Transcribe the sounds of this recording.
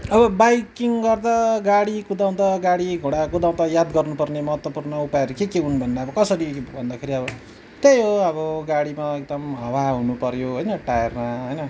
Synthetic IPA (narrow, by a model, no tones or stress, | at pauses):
ʌbʌbajkiŋɡʌrd̪aɡaɽikud̪aw̃t̪aɡaɽiɡʱoɽakud̪aw̃t̪ʌjad̪ɡʌrnupʌrnemʌɦʌt̪wʌpurnʌupajʌɾukekeɦunbʱʌndaʌbʌkʌsʌɾibʱʌnd̪akʰeɾiʌbʌ | t̪ejoʌbʌɡaɽimaek̚d̪ʌmɦʌwaɦunupʌɾjoɦʌjnʌʈajermaɦʌjnʌ